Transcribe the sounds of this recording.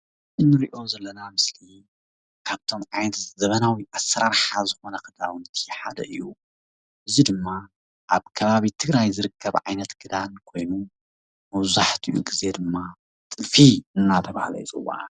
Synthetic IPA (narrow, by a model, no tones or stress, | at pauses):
ʔɨnːɨɾiʔo̞zɐlːɐnamɨsli | kʰaβt̪ʰo̞mʕajnɐt̪zɐβɐnawiʔasɐɾaɾħazɨxo̞nɐkɨd̪awɨnt̪ʰiħa̰d̪ɐʔɨjːu | ʔɨzid̪ɨmːa | ʔaβkʰɐβaβit̪ʰɨɡɾajzɨɾɨkʰːɐβʕa̰jnɐt̪ɡɨd̪ankʰo̞jnu | mɐβzaħt̪ʰiʔṵɡize̞d̪ɨmːa | t̪ʼɨfiɨnːat̪ʰɐβa̰hlɐ̰jit͡sʼɨ̰wa̰